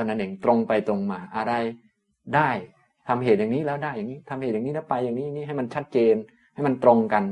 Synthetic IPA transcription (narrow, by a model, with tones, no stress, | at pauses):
a˧nːa˦˥nʔe˨˩ŋt̪ɾo˧ŋpa˧jt̪ɾo˧ŋmaː˧ʔa˧ɾa˧j | daː˥˩j | t̪ʰa˧mɦeː˨˩t̪̚jaː˨˩ŋniː˦˥lɛː˦˥wdaː˥˩ja˨˩ŋiː˦˥t̪ʰa˧mhe˨˩t̪̚aː˨˩niː˦˥lɛː˦˥wpa˧jːaː˨˩ŋniː˦˥ja˨˩ni˦˥ɦa˥˩jma˧nt͡ɕʰa˦˥t̪̚t͡ɕeː˧n | ha˥˩jma˧nt̪ɾo˧ŋka˧n